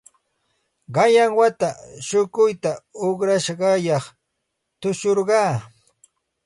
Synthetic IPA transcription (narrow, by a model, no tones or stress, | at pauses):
ɢɑjaŋwat̪aʃʊkʊjt̪aʊχɾaʃɢɑjɑχ | t̪ʊʃoɾɢɑː